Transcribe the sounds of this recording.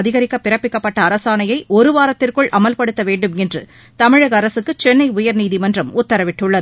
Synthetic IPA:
ðɪɣɐɾɪkːɐpːɪɾɐpːɪkːɐpːɐʈːɐːɾɐsaːnɐjɐɪʔɔɾɯʋaːɾɐt̪ːɪrkɯɭʔɐmɐlpɐɽɯt̪ːɐʋeːɳɖɯmɛndrɯ̰ | t̪ɐmɪɻɐɣɐːɾɐsɯkːɯt͡ʃɛnːɐɪʊjɐɾniːðimɐndrɐmʊt̪ːɐɾɐʋɪʈːɯɭːɐð

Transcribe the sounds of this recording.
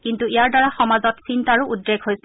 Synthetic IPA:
kintuijaɹdɔɹaxɔmazɔtsintaɹuʔudːeɡʱɦojs

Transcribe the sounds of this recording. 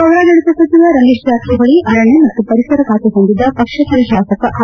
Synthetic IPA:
ɐʋɾaːɡɐɽisɐsɐt͡ʃiʋɐɾɐlːiʂd͡ʒaːt̪ʰiɡɐɭiʔɐɾɐɳːemɐt̪ːupɐɾisɐɾɐkaːt̪eɦond̪id̪ːɐpɐkʂɐsɐɾɐʃaːsɐkɐʔ

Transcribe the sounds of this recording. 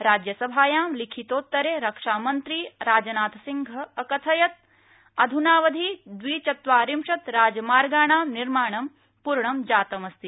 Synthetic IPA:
ɾaːd͡ʒjɐsɐbʱaːjaːmlikʰit̪oːt̪ːɐɾeːɾɐkʂaːmɐnt̪ɾiɾaːd͡ʒɐnaːt̪ʰɐsiŋɡʱɐːkɐt̪ʰɐjɐt̪̚ | ɐd̪ʱunaːʋɐd̪ʱid̪ʋiːt͡ʃɐt̪ʋaːɾimʃɐt̪ɾaːd͡ʒɐmaːɾɡaːɳaːmniɾmaːɳɐm | puɾɳɐmd͡ʒaːt̪ɐmɐst̪i

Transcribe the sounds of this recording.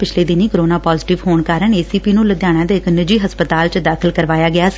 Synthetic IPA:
pɪt͡ʃʰleːd̪ɪniːkɾoːnaːpaːzɪʈɪʋɦoːɳkaːɾəɳeːsiːpiːnũːləd̪jaːɽ̃ãːd̪eːɪknəd͡ʒiːɦəspət̪aːlt͡ʃd̪aːkʰəlkəɾʋaːjaːɡɪaːsi̥

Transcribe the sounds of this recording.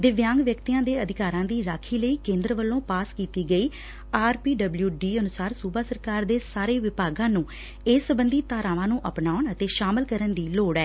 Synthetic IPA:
d̪ɪʋjãːŋɡʋjəkt̪iːãːd̪eːəd̪ɪkaːɾãːd̪iːɾaːkʰiːləiːkẽːnd̪ɾəʋəlːõːpaːskiːt̪iːɡəiː | aːɾpiːɖəbljuːɖiːənʊsaːɾsuːbaːsəɾkaːɾd̪eːsaːɾeːʋɪpaːɡãːnũː | eːsəbənd̪iːt̪aːɾãːʋãːnũːʔəpnaːʊɳət̪eːʃaːməlkəɾənd̪iːloːɽɛː

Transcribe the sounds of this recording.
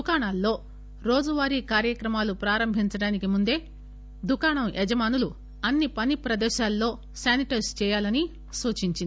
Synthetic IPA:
d̪ukaːɳaːlːo̞ː | ɾo̞ːd͡ʒuʋaːɾiːkaːɾjɐkɾɐmaːlupɾaːɾɐmbʱiɲt͡ʃɐɽaːnikimund̪e̞ː | d̪ukaːɳɐmʔɛd͡ʒɐmaːnulu | ɐnːipɐnipɾɐd̪ɛːʃaːlːo̞ː | saːniʈɐɾst͡ʃɛːjaːlɐni | suːt͡ʃiɲt͡ʃind̪i

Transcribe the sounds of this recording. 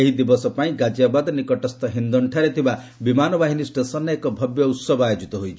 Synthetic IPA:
eɦid̪ibɔsɔpaĩɡad͡ʒjabad̪nikɔʈɔst̪ɔɦind̪ɔɳʈʰaɾet̪ʰiba | bimanɔbaɦinisʈesɔnɔekɔbʱɔbjɔut̪sɔbɔajod͡ʒit̪ɔɦojt͡ʃʰ

